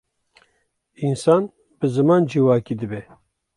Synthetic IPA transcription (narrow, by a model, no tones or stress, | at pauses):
insɑːn | bɨzɨmɑːnd͡ʒiwɑːkiːd̪ɨbɛ